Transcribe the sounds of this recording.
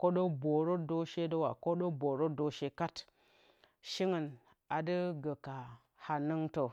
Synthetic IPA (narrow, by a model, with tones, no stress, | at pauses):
ko˦ɗo˦bo˨ɾo˦do˦ʃe˦do˦wa˨ko˦ɗo˦bo˨ɾo˦do˦ʃe˦ka˦t | ʃi˦ŋə˨n | a˨də˦ɡə˨ka˨ | ha˨nɨ˦ŋto˨